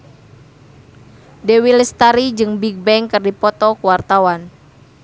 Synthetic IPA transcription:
dewilɛst̪aɾid͡ʒɨŋbiɡ̚bɛŋkɨrdipɔt̪ɔkuwart̪awan

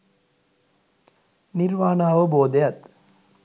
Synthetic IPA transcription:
niɾʋaːnaːʋəboːd̪əjat̪

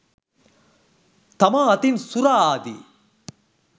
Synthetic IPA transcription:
t̪ɐmaɐt̪insuɾaaːd̪ḭ

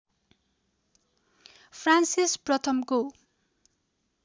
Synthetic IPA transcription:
pʰransisprʌt̪ʰʌmko

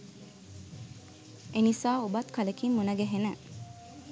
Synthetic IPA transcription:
enisaːubɐt̪kɐləkimːunɐɡeɦenə

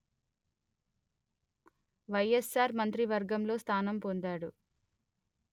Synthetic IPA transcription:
ʋɐjesːaːɾmɐnt̪ɾiʋɐɾɡɐmlo̞ːst̪ʰaːnɐmpond̪aːɽu

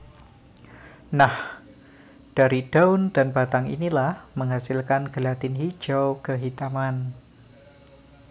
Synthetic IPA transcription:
nah | d̥aɾid̥aʊnd̥anbat̪aŋḭnilahməŋɦasɪlkanɡ̥əlat̪ɪnhi̥d͡ʒawkəɦit̪aman

